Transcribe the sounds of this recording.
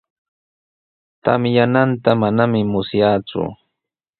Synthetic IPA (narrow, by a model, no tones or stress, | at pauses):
t̪a̰mjanant̪amanamɪmʊsjaːt͡sʊ̰